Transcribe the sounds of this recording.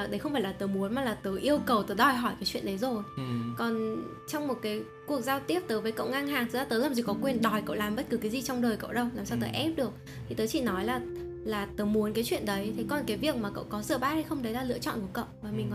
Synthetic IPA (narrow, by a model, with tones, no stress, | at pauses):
ɗə˨˦xə˧wŋ͡mfaː˧˩jlaː˨˩t̪ɨː˨˦mu˨˦ənmaː˨˩laː˨˩t̪ɨ˨˦ʔi˧əwkə˨˩wt̪ɨː˨˦ɗɔ˨˩jɦɔ˧˩jkaː˨˦jt͡ɕwḭ˧˨ənʔɗə˨˦jzo˨˩jkɔ˨˩n | t͡ɕɔ˧wŋ͡mmo˨˩t̚kaː˨˦j | ku˨˩ək̚zaː˧wt̪i˦˥əp̚t̪əː˨˦jvəː˨˦kə̰˧˨wŋa˧ŋɦaː˨˩ŋt̪ʰɨ˨˦zaː˧˩t̪əː˨˦jlaː˨˩mzi˨˩kɔ˨˦kwe˨˩nɗɔ˨˩jkə̰˧˨wlaː˨˩mɓə˦˥t̚kɨ˨˦kaː˨˦zi˨˩t͡ɕɔ˧wŋ͡mɗəː˨˩jkə̰˧˨wɗə˧wlaː˨˩msaː˧wt̪əː˨˦jʔɛ˦˥p̚ɗɨ˨˩ək̚ | t̪ʰi˨˩t̪əː˨˦jt͡ɕḭ˧˨nɔ˨˦jlaː˨˩ | laː˨˩t̪əː˨˦mu˨˦nkaː˨˦jt͡ɕwḭ˧˨ənɗə˨˦jt̪ʰe˨˦jkɔ˨˩nkaː˨˦jvi˨˩ək̚maː˨˩kə̰˧˨wkɔ˨˦zɨ̰ː˧˩˨ɓaː˦˥ha˧jxə˧ŋ͡mɗə˨˦jlaː˨˩lɨ̰˧˨ət͡ɕɔ̰˧˨nku˧˩əkə̰˧˨wʔvaː˨˩mï˨˩ŋ˨